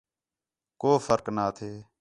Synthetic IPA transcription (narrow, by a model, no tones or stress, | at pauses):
koːfʰəɾknaːt̪ʰeː